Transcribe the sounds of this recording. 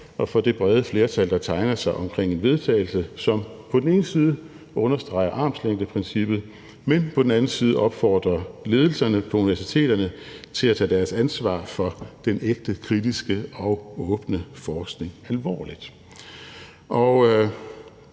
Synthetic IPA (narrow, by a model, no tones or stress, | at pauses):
ʔɒ̽fɒ̽d̥e̝b̥ʁɛð̞ˠəfle̝ːɐt͡sʰæld̥ɑ̈t͡sʰɑ̈ɪnɐsɑ̈ɪʔɒ̽mkʰʁeŋ̰e̝nʋe̝ð̞ˠt͡sʰɛ̰ːɪl̩səsɒ̽mpʰɒ̽d̥en̩e̝ːnəsiːð̞ˠə | ʔɔ̽nɐsd̥ʁɑ̈ɪɐʔɑ̈ːmsleŋ̰d̥əpʰʁɛnsib̥ð̞̩ˠ | menpʰɒ̽d̥en̩æn̩siːð̞ˠəʔɒ̽b̥fɒːd̥ʁɐle̝ːð̞ˠl̩sɐnəpʰɒ̽uniʋæɐsit͡sʰe̝̰ːɾ̥ɐnət͡sʰe̝læt͡sʰɛ̰ːd̥æɐsænsʋɑ̰̈ːfɒ̽d̥eneɡ̥̚d̥əkʰʁid̥isɡ̥əɒʊɔːb̥nəfɒːsɡ̥ne̝ŋælʋɒ̰ːlid̥ | ʔɒ